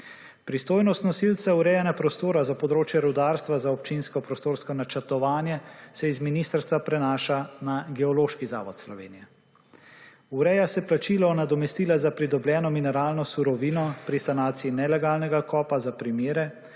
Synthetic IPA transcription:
pɾist̪oːjnɔst̪nɔsilt̪sauɾɛːjɛnapɾɔst̪oːɾazapɔd̪ɾoːt͡ʃjɛɾɔd̪aːɾst̪ʋazaɔp̚t͡ʃinskɔpɾɔst̪oːɾskɔnat͡ʃɛɾt̪ɔʋaːnjɛsɛizminist̪əɾst̪ʋapɾɛnaːʃanaɡɛɔloːʃkiza̰ːʋɔt̪slɔʋḛːnijɛ | uɾɛjasɛplat͡ʃilɔnad̪ɔmɛst̪iːlazapɾid̪ɔbljɛːnɔminɛɾaːlnɔsuɾɔʋiːnɔpɾisanaːt̪siinɛlɛɡaːlnɛɡakʰɔːpazapɾimeːɾɛ

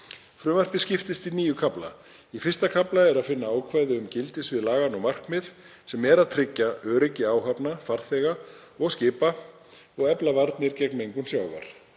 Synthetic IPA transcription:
fɾʏːmar̥pɪscɪft̪ɪst̪iniːjʏkʰapla̰ | ifɪr̥st̪akʰaplaɛɾaðfɪnːaaːwkʰvajðʏʏmcɪlt̪ɪsvɪðlaːɣanɔɣmar̥kmɪð | sɛmɛɾaðt̪ʰɾɪcːaœːɾɪcːɪaːwɦapnafar̥θɛɣa | ɔɣscɪːpa | ɔɣɛplavaɾt̪nɪɾcɛkmejŋkʏnsjaːwva̰ɾ̥

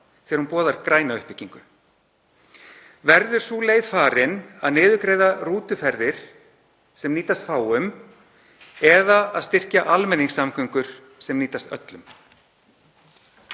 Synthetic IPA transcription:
θɛɾhunpɔːðaɾkɾaːjnaʏhpɪcːiŋkʏ | vɛɾðʏɾ̥suleːjðfaːɾɪnaðnɪːðʏkɾeːjðaruːt̪ʏfɛɾðɪɾ̥ | sɛmniːt̪ast̪faːwʏm | ɛðaaðst̪ɪr̥caʔalmɛnːiŋsamkʰʏŋkʏɾ̥ | sɛmniːt̪ast̪œ̰t̪lʏm

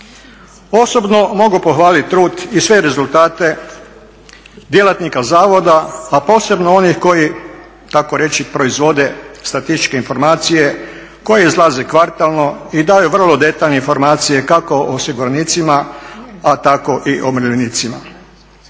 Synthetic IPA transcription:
o̞sobno̞mo̞ɡupo̞xʋaːlit̪̚ʲt̪ːɾuːd̪isʋe̞ɾe̞zulˠt̪aːt̪e̞ | d̪jelat̪nikazaːʋo̞d̪aːpo̞ːse̞bnoonixko̞ji | t̪ako̞ɾe̞t͡ʃipɾo̞izʋo̞d̪e̞st̪ɾat̪ist̪i̥t͡ʃkeinfo̞ɾmaːt̪sije̞ | ko̞jeizlˠazekʋaɾt̪alˠno̞id̪aːjuʋr̩lod̪e̞t̪aʎneinfo̞ɾmaːt̪sije̞kako̞ʔoosiɡuɾaniːt̪simaat̪ako̞ʔiʔomɾʎeniːt̪sima̰

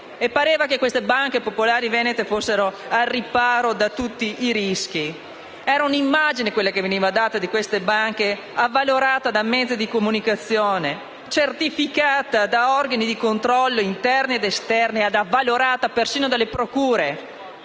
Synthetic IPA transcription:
epːaɾeːvakekwest̪ebaŋkepopolaːɾivɛːnet̪efosːeɾoarːipaːɾod̪at̪ut̪ːiʔiɾisk̟i | ɛːɾaunimːad͡ʒinekwelːakeveniːvad̪aːt̪ad̪ikwest̪ebaŋk̟e | avːaloɾaːt̪ad̪amɛd̪zid̪ikomunikat̪sːjoːne | t͡ʃert̪ifikaːt̪ad̪aɔrɡanid̪ikont̪ɾɔlːoint̪ɛrnied̪est̪ɛrniad̪avːaloɾaːt̪apersiːnod̪alːepɾokuːɾe

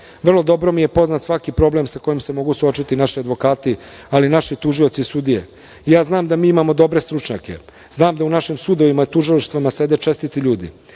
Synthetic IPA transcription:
ʋr̩lˠo̞d̪o̞bɾo̞mije̞po̞znat̪sʋakipɾo̞ble̞msako̞jimse̞mo̞ɡusuo̞t͡ʃit̪inaʃiad̪ʋo̞kaːt̪ialinaʃit̪uʒio̞t̪sisud̪ijḛ | ijaːznaːmd̪amiːimamo̞d̪o̞bɾe̞st̪ɾut͡ʃɲake̞̰ | znaːmd̪aunaʃimsud̪o̞ʋimaet̪uʒiliʃt̪vamase̞d̪et͡ʃe̞st̪it̪iʎuːd̪ḭ

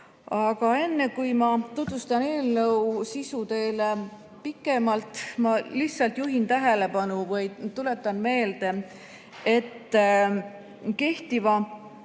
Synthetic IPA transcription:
ɑɡ̥ɑe̞nːe̞kujmɑt̪ut̪vust̪ɑne̞ːlnɤwsisut̪e̞ːle | pikːˑe̞mɑlt̪mɑliçsɑlt̪juɦint̪æɦe̞le̞pɑnuvɤjt̪ule̞t̪ːˑɑnme̞ːld̪̥e̞ | e̞t̪ː | ke̞ht̪ivɑ

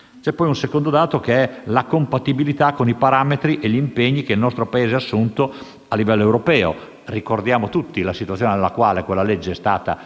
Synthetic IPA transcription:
t͡ʃɛpːɔjunsekond̪od̪aːt̪okeɛlakompat̪ibilit̪akːonipaɾaːmet̪ɾiʔeʎimpeɲːikeilnɔst̪ɾopaeːzeasːunt̪o | alːivɛlːoewɾopɛːo̰ | rikord̪jaːmot̪ut̪ːilasit̪wat̪sːoːnenelːakwaːlekwelːaled͡ʒːeɛst̪a̰ːt̪a̰

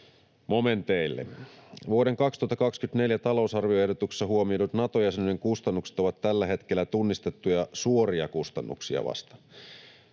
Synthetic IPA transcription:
mo̞ment̪eilːḛʋuoɾe̞ŋkɑkst̪uhɑt̪ːɑkɑkskyt̪ne̞ljæt̪ɑlo̞usɑrʋioehdo̞t̪ukse̥sːɑɦuomiodut̪nɑt̪ojæsenneŋkust̪ɑnːukse̥t̪oʋɑt̪tælːæɦe̞t̪k̟elːæt̪unːist̪et̪ːujɑsuoriɑkust̪ɑnːṵksiɑ̰ʋɑ̰st̪ɑ̥

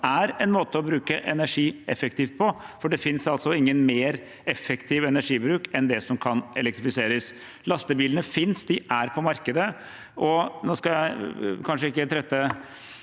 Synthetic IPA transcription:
æɾɛnmoːt̪əɔbɾʉːkəʔɛnæʂiːɛfɛkt̪iːft̪̚pʰɔfɔɖɛfɪnsɑlsɔɪŋːənmeːɾ | ɛfːɛkt̪ʰiːʋɛnæʂiːbɾʉːkɛnd̪ɛsɔmkʰɑnɛlɛk̚t̪ɾɪfɪseːɾəs | lɑst̪əbiːlənəfɪnsd̪ɪʔæɾpʰɔmɑɾkəd̪ə | ʔɔnoːskɑjæɪkʰɑnʂəɪkːət̪ʰɾɛt̪ːə

